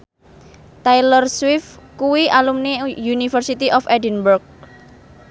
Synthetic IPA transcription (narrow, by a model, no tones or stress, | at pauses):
t̪ajlərswɪfkuwiʔalumnijunifərsit̪iʔɔfɛdinburk̚